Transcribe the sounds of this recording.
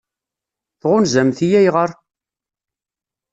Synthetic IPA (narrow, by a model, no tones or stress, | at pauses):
θʁʊnzæmθijæjʁəɾ